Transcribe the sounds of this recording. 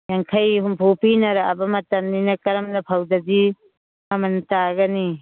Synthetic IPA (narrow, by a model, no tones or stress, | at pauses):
jaŋkʰajɦumpʰupinɐɾaabɐmɐtɐmninɐkɐɾɐmnɐpʰawdadi | ɐmɐntaɡɐni